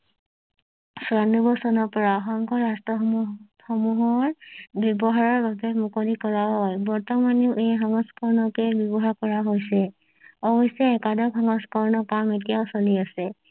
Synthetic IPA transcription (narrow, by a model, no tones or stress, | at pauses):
sanubɔsɔnɔɹpɔɹaxɔŋkʰɔɹastɹɔ | xɔmuɦɔɹbjɔbɔɦaɹɔɹbabɛmukolikɔɹaɦɔjbɔɹtɔmaneʊʔejɦɔŋɔskɔɹnɔkɛbjɔbɔɦaɹkɔɹaɦojsɛ | ɔbɔsɛɛkadɔkɦɔŋɔskɔɹnɔpametijaʊsoliasɛ